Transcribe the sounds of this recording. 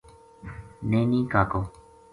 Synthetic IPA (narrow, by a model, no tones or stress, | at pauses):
nẽnĩːkaːkoː